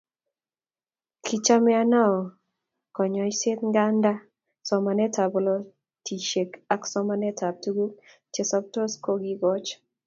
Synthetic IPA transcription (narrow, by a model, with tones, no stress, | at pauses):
kʰi˦t͡ʃa˦mɛ˦a˦na˦ɔ˨ | kɔ˨ɲɔ˨jse˦t̪ŋɡa˦nda˦ | sɔ˨ma˨nɛ˦ta˨bɔ˨lɔ˦ | ti˨ʃe˨ka˦ksɔ˦ma˦nɛ˦ta˨b̚tu˦ɡu˦k | t͡ʃe˨sɔ˦p̚to˦sko˦ɡi˦ɡɔ˦t͡ʃ